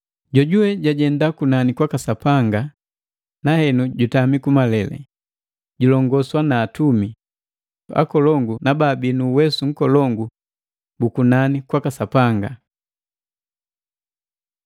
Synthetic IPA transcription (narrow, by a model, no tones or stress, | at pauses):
ɟɔɟuɛɟaɟɛndakunanikwakasapaŋɡa | nahɛnuɟutamikumalɛlɛ̰ | ɟulɔŋɡɔswanaːtumi | a̰kɔlɔŋɡunababinuwɛsuŋ̩kɔlɔŋɡu | bukunanikwakasapaŋɡa